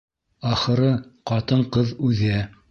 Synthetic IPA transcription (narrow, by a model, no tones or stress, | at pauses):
ɑχɤ̆ɾɤqɑt̪ɤɴqɤðʉðæ